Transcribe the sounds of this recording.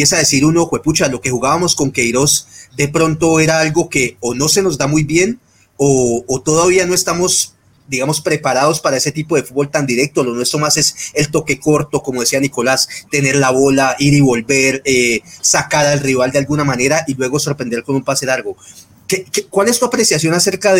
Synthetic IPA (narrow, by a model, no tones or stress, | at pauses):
epjesaðesiɾuno̞xweput͡ʃalo̞ke̞xuɣaβamo̞sko̞ŋkejɾo̞sd̪e̞pɾo̞nt̪o̞e̞ɾaalɡo̞ke̞ono̞se̞no̞zd̪amujbje̞n | oːt̪o̞ðaβiano̞e̞st̪amo̞s | d̪iɣamo̞spɾe̞paɾaðo̞spaɾae̞se̞t̪ipo̞ðe̞fud̪bolt̪and̪iɾe̞k̚t̪olo̞nwe̞st̪ɾo̞mase̞se̞lt̪oke̞ko̞ɾt̪o̞komo̞ðesianiko̞last̪e̞ne̞ɾlaβo̞laʔiɾiβo̞lbe̞ɾesakaɾalriβ̞ald̪ealɡunamane̞ɾaʔilwe̞ɣo̞so̞ɾpɾe̞nd̪e̞ɾko̞numpaseaɾɡo̞ | kekekwale̞st̪uapɾe̞sjasjo̞nase̞ɾkað